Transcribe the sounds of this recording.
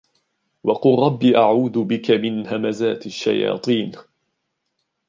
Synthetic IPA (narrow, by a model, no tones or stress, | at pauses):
wɑqʊlɾˤɑbːiːʔaʕuːd̪ʊbɪkamɪnhamazaːt̪aʃːa̰jɑ̰ːt̪ˤiːn